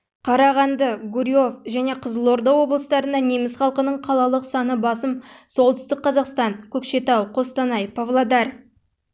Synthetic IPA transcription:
qʰɑɾɑʁɑnd̪əɡuɾʲijo̞fʒæne̞qʰəzəlˠo̞ɾd̪ɑwo̞blˠəsət̪ɑɾənd̪ɑne̞mɪsχɑlˠqənəɴqʰɑlˠɑlˠəqsɑnəbɑsəmso̞lˠt̪ʏ̥st̪ɪk̚qːɑzɑqst̪ɑŋkʲʰɵkʃe̞t̪ɑwqʰo̞st̪ɑnɑjpʰavlˠad̪ɑr

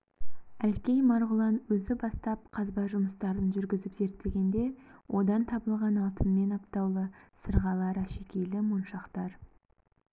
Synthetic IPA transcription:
ælkʲejmɑɾʁʊlˠɑnwɵzɪbɑst̪ɑp̚qʰɑzbɑʒʊməst̪ɑɾənʒʏɾɡʲɪzɪpze̞ɾt̪ːe̞ɡʲe̞nd̪e̞wʔo̞d̪ɑnt̪ʰɑbəlˠʁɑnɑlˠt̪ʰənme̞nɑp̚t̪ɑwlˠəsəɾʁɑlˠɑɾəʃe̞kʲe̞jlɪmonʃɑqt̪ɑɾ

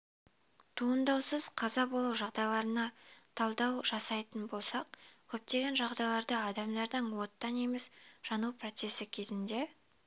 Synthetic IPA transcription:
t̪ʰuənd̪ɑwsəzqʰɑzɑbo̞lˠuwʒɑʁd̪ɑjlˠɑɾənɑt̪ʰɑlˠd̪ɑwʒɑsɑjt̪ənbo̞lˠsɑq̚kʲʰɵp̚t̪e̞ɡʲe̞nʒɑʁd̪ɑjlˠɑɾd̪əɑd̪ɑmd̪ɑɾd̪əɴwo̞t̪ːɑneme̞sʒ̥ɑnupro̞t̪se̞sɪkʲʰe̞zɪnd̪e̞

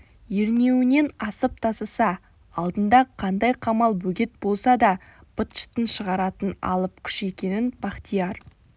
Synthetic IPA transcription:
je̞ɾne̞wɪne̞nɑsəp̚t̪ʰɑsəsɑ | ɑlˠd̪ənd̪ɑqʰɑnd̪ɑjqʰɑmɑlˠbɵɡʲe̞t̪̚bo̞lˠsɑd̪ɑ | b̥ʊt̪ʃt̪ənʃəʁɑɾɑt̪ənɑ̰lˠəp̚kʲʰʏ̥ʃe̞kʲe̞nɪnb̥ɑqt̪ijɑɾ

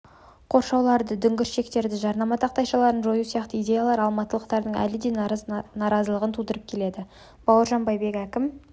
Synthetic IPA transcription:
qʰo̞ɾʃɑwlˠɑɾd̪əd̪ʏŋɡʲɪɾʃe̞k̚t̪e̞ɾd̪ɪʒɑɾnɑmɑt̪ʰɑq̚t̪ɑjʃɑlˠɑɾənʒo̞jusijɑqt̪əijdʲe̞jalˠɑɾɑlˠmɑt̪əlˠəqt̪ɑɾd̪əɴæ̰lɪd̪e̞nɑznɑɾɑzəlˠəʁənt̪ʰud̪əɾəp̚kʲʰe̞le̞d̪ɪ | b̥ɑwəɾʒɑnbɑjbe̞kækʲɪm

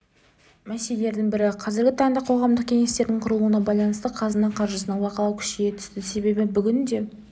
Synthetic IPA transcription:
mæselele̞ɾd̪ɪŋbɪɾɪqʰɑzɪɾɡʲɪt̪ʰɑɴd̪ɑqʰo̞ʁɑmd̪əq̚kʲʰe̞ŋe̞st̪e̞ɾd̪ɪŋɴqʰʊɾəlˠuənɑbɑjlˠɑnəst̪əqʰɑzənɑqʰɑɾʒəsənəɴwɑqɑlˠɑwkʲʰʏ̥ʃɪɡʲe̞t̪ʰʏ̥st̪ɪse̞be̞bɪbʏɡʲɪnd̪e̞

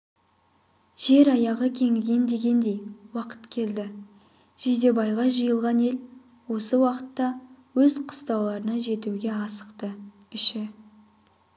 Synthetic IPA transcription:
ʒ̥e̞ɾɑjɑʁəkʲʰe̞ŋɡʲe̞nd̪e̞ɡʲe̞nd̪e̞jwɑqə̥t̪kʲʰe̞ld̪ɪ | ʒ̥ed̪e̞bɑjʁɑʒəjəlˠʁɑne̞l | wo̞səwɑqə̥t̪ːɑwɵzqʰʊ̥st̪ɑwlˠɑɾənɑʒe̞t̪uɡʲe̞ɑsə̥qt̪ə | ɪʃɪ

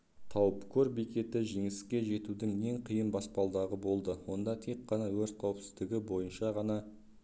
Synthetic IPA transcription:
t̪ʰɑwəpkʲʰɵɾbekʲe̞t̪ɪʒe̞ŋɪskʲe̞ʒe̞t̪ud̪ɪŋe̞ŋqʰijənbɑspɑlˠd̪ɑʁəbo̞lˠd̪əwo̞nd̪ɑt̪ʰe̞k̚qːɑnɑwɵɾt̪̚qʰɑwəpsɪ̥zd̪ɪɡʲɪbo̞jənʃɑʁɑnɑ

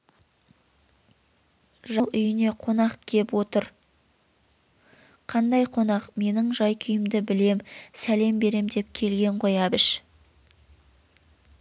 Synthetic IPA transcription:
ʒɑlˠʏjɪne̞qʰo̞nɑqkʲʰe̞pwo̞t̪əɾ | qʰɑnd̪ɑjqʰo̞nɑqme̞nɪŋʒɑjkʲʰʏjɪmd̪ɪbɪle̞msæle̞mbe̞ɾe̞md̪e̞p̚kʲʰe̞lɡʲe̞ɴqo̞jɑbɪʃ

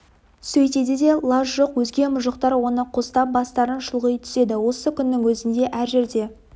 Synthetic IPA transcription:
sɵjt̪e̞d̪ed̪e̞lˠaʒʒoqwɵzɡʲe̞mʊʒəqt̪ɑɾwo̞nəqʰost̪ɑp̚bɑst̪ɑɾənʃʊlˠʁəjt̪ʰʏ̥se̞d̪ɪwo̞səkʲʰʏnːɪŋwɵzɪnd̪e̞ʔæɾʒe̞ɾd̪e̞

